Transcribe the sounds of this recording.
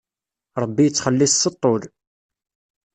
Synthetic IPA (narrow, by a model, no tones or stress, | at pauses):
ɾˤəbːijət͡sːχəlːɪssət̪ˤːol